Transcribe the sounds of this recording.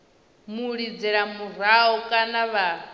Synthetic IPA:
muɺid͡zɛɺamuɾaɔkʼanaβa

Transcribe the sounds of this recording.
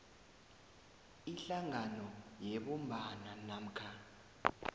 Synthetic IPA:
iɬaŋanɔjɛɓɔmbʱananam̩kʰa

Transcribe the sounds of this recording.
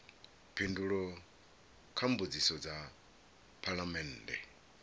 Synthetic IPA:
pʰinduɺɔ | kʰambud͡zisɔd͡za | pʰalamɛndɛ̰

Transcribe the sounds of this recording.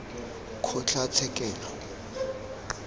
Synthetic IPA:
kʰʊt͡ɬat͡sʰɛkʼɛːlɔ

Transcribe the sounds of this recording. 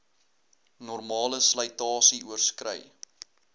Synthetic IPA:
nɔrmɑːləsləjtɑːsiuərskrə̰j

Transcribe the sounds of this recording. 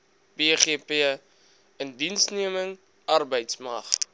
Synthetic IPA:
b̥eːχiəpi | əndinsniəməŋ | ɐrbəjtsmɐχ

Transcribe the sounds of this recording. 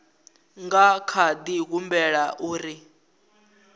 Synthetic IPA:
ŋɡakʰad̪iɣumbɛɺaʔuːɾi

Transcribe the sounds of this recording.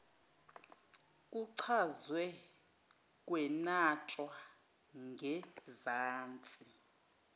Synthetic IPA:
kʼuǀʰazwɛ | kʼwɛnatʼwa | ŋɡʱɛzaːnt͡sʼi

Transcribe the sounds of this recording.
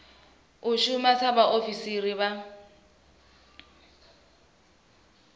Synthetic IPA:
ʊʃʊmat͡sʰabaʔofisiriβa

